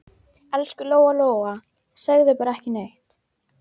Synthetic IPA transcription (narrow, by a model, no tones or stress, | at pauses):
ɛlskʏloːwaloːwɣa | saɣðɪpaːɾaɛhcɪnejht̪